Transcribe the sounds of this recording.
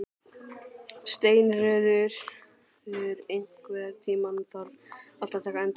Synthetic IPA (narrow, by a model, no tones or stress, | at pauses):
st̪eːjnrœːðʏɾ̥ | θɛʏɾejŋ̥kvɛðaɾt̪ʰiːmanθalal̥t̪at̪ʰɛːkaɛnt̪